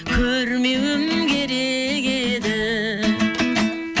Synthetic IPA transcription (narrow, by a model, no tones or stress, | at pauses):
kʲʰɵɾmewɪmɡʲeɾeɡed̪ɪ